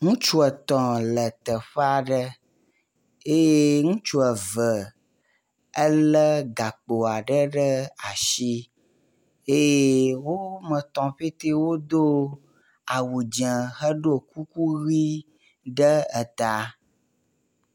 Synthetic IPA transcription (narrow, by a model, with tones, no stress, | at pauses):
ŋũ˦t͡ʃu˦ɛ˨t̪ɔ̃˨lə˨t̪ə˨ɸə˦a˨ɖə˦ | e˦je˦ŋũ˦t͡ʃu˦ə˨və˨ | ə˦lə˦ɡa˨k͡po˨a˨ɖə˦ɖə˦a˨ʃi˦ | e˦je˦wo˦mə̃˨t̪ɔ̃˨ɸe˦t̪e˦wo˦d̪o˦ | a˨wu˨d͡ʒə̃˨xə˦ɖo˦ku˦ku˦ɣi˦ | ɖə˦ə˨t̪a˦